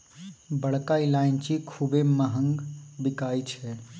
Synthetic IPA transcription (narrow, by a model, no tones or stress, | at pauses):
bəɽkailaːint͡ʃikʰubeməɦə̃ŋɡbɪkaːit͡ʃʰɛ